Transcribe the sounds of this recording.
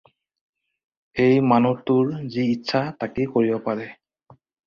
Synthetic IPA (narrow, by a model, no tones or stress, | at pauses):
ejmanutʊɹziːtːsʰatakekoɹibɔpaɹɛ